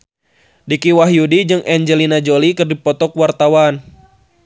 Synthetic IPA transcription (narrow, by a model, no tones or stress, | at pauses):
dikiwaɦjudid͡ʒɨŋʔɛɲd͡ʒɛlinad͡ʒolikɨrdipɔt̪ɔkwart̪awan